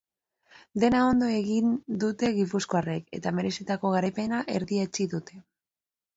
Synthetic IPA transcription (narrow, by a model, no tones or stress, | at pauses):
d̪e̞nao̞nd̪o̞e̞ɣind̪ut̪e̞ɣipusko̞are̞ke̞̰t̪ame̞ɾe̞sit̪ako̞ɣaɾajpe̞naʔe̞ɾðiet͡siðut̪e̞